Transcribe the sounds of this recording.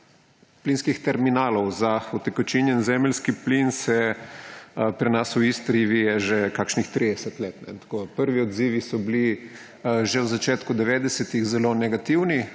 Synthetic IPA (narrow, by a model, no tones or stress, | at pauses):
plinskixt̪ɛɾminaːlowzaɔt̪ɛkɔt͡ʃinjɛnzɛmlskiplinsɛ | pɾɛnasuist̪ɾiʋijɛʒɛkakʃnixt̪ɾid̪ɛsɛt̪leːt̪nɛ̰t̪ḁkoːd̪apəɾʋiɔd̪ziːʋisɔbli | ʒɛwzat͡ʃeːt̪kud̪ɛʋeːd̪ɛsɛt̪iɣzɛlonɛɡat̪iwni